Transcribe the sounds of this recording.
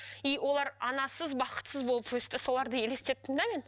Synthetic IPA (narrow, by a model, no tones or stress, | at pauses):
ijwʔo̞lˠɑɾɑnɑsəzbɑqə̥t̪səzbolˠəpwɵst̪ɪso̞lˠɑɾd̪əje̞le̞st̪e̞t̪̚ːɪnd̪æmʲen